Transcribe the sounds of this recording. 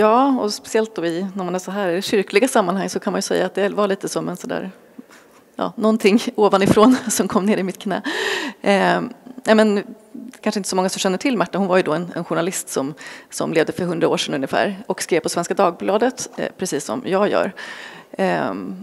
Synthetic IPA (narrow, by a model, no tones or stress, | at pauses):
jɑːɔspɛ̥sɪɛlt̪̚d̪ɔɪnæɾmanɛːsɔɦæːɾɪd̪ɛɕʏɾklɪɡasamːanhaŋːsɔkʰanmanjɵsɛ̰jːaːt̪̚d̪ɛvalɭiːt̪əsɔmɛnsɔd̪æ̰ːɾ | jɑ̰ːnɔnt̪ʰɪŋːoːvanɪfɾoːnsɔmkʰɔmːneːɾɪmɪt̪kʰnɛ̰ː | nɛmɛn | kʰanʂəɪnt̪əsɔmɔŋːasɔmɕɛnːəʈʰɪlːmæʈːahʊnvajɵd̪ɔɛnɛ̰nɧʊɳalɪst̪sɔmsɔ̰mleːvd̪əfœɾɦɵnd̪ɾaoːʂɛnɵnjəfæ̰ːɾɔkskɾeːvpʰːɔsvɛnskad̪ɑːɡ̚blɑːd̪ət̪pʰɾɛsiːsːɔ̰mjɑːɡjœ̰ːɾ